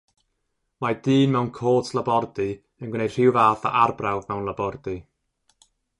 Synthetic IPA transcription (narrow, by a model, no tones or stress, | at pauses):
majdiːnmɛwnkʰoːtʰlˠabɔrdi | ənɡwɪnej̥r̥ɪwvaːθa̰ʔarbrawvmɛwnlˠabɔrdɨ